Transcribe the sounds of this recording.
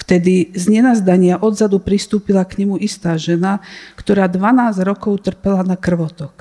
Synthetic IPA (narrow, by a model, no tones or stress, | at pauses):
ft̪ɛd̪izɲɛnazd̪aɲɪaʔɔd̪zad̪upɾist̪uːpilakɲɛmuʔist̪aːʒɛnakt̪ɔɾaːd̪ʋanaːzɾɔkɔʊt̪r̩pɛlanakr̩ʋɔt̪ɔk